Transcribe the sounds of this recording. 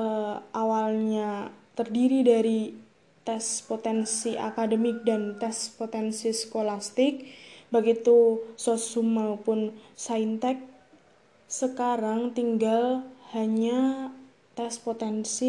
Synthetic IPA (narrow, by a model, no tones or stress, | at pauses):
əʔawalɲat̪ərdiɾidaɾi | t̪ɛspot̪ɛnsiʔa̰kadəmɪk̚dant̪ɛspot̪ɛnsiskolast̪ɪk̚baɡit̪usosumapʊnsaint̪ɛk̚ | səkaɾaŋt̪iŋɡalhaɲa | t̪ɛspot̪ɛnsi